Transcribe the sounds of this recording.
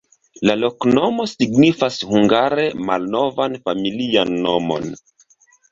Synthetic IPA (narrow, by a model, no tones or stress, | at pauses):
lalo̞kno̞mo̞siɡnifashuŋɡaɾe̞ma̰lno̞vanfamilianːo̞mo̰n